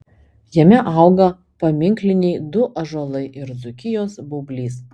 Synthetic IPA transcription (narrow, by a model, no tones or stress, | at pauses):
jɛmʲɛʔɑˑʊɡɐ | pɐmʲɪŋʲklʲɪnʲɛɪd̪ʊʔɐʒoːlˠɐɪʔɪɾd̪zʊkʲɪjoːsbʊbʲlʲiːs